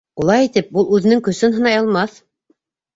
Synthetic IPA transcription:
ulˠɑjit̪ɘp̚bulˠʉðɘ̆nɘŋkɵ̆sɘnɦɤ̆nɑjɑlˠmɑθ

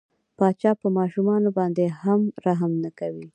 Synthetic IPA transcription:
pɑt͡ʃɑpəmɑʃumɑnobɑnd̪ehamɾaɦamnakawi

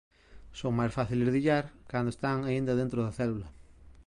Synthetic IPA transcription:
soŋmajsfaθilezðiʎaɾkand̪oest̪aŋaind̪ɐðent̪ɾoðɐθɛlulɐ

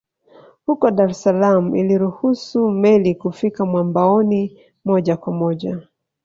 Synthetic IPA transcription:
hukɔɗaɾɛsalamuiliɾuhusumɛlikufikamwambaɔni | mɔʄakwamɔʄa

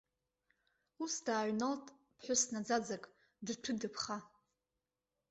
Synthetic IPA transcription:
usdaːʕnaltʼ | pʰħʷᶣʊsnad͡zad͡zakʼ | drtʰɨdɨpʰχa

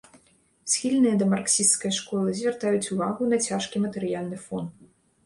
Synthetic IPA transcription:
sʲxʲilʲnɨjɐd̪ɐmarksʲist̪skɐjʂkɔlˠɨzʲvʲɛrt̪ajut͡sʲuvaɣunɐt͡sʲaʂkʲimɐt̪ɛɾɨjalʲnɨfɔn

